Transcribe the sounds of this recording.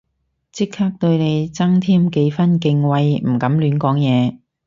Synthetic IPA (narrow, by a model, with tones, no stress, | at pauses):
t͡sɪ˥khʰaː˥k̚t̪ɵ˧ɥne˨˧jt͡sɐ˥ŋt̪ʰiː˥˩mke˧jfɐ˥nkɪ˧ŋwɐ˧jm̩˨˩kɐ˨˥mlyː˨˥nkɔː˨˥ŋjɛː˨˧